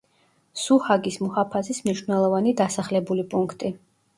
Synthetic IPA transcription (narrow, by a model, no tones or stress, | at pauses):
suhaɡismɔhapʰasismniʃvnɛlˠɔvanid̪asaχlɛbulipʼuŋkʰt̪ʼi